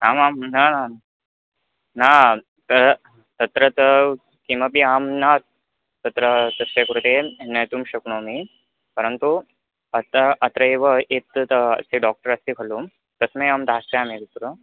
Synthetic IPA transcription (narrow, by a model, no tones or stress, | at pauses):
aːmaːmnana | na | t̪ɐɾ | t̪ɐt̪ɾɐt̪ə | kimapiaːmnat̪̚ | t̪ɐt̪ɾət̪ɐsʋekɐɾut̪enɐjt̪umɕɐkɳomi | pɐɾənt̪u | ɐt̪ʔɐt̪ɾɐeʋəʔet̪ɐ̰seɖɔːk̚ʈəɾɐst̪ikʰɐluːm | t̪ɐsmeaːmd̪ʱaːst̪eaːmet̪ɐt̪ɾu